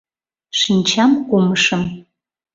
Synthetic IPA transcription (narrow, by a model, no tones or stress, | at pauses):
ʃinʲt͡ɕɑmkoməʃəm